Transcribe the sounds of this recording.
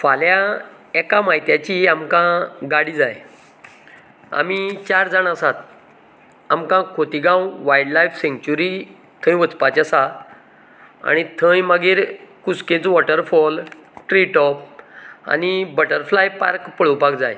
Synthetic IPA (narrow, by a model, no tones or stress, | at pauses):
falja | ɛkamaɦit̪jat͡ɕiamkãɡaɽid͡zaj | a̰mit͡ɕaɾd͡zanasat̪̚ | amkãkʰot̪iɡãwʋajɽlajfsẽŋkt͡ɕuɾi | t̪ʰə̃j̃ʋət͡spat͡ɕasa | a̰ñit̪ʰə̃jməɡiːɾkusket͡sʋɔʈəɾfɔlʈɾiʈɔpa̰nibəʈəɾflajpa̰ɾkpəɭəwpakd͡zaj